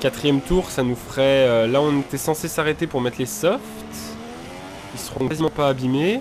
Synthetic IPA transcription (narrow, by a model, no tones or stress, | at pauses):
kʲat̪χijɛmt̪uʁsanufχɛølaɔ̃net̪ɛsɑ̃sesaʁet̪epuʁmɛt̪lesɔft̪ | ilsə̥ʁɔ̃kazimɑ̃paːbime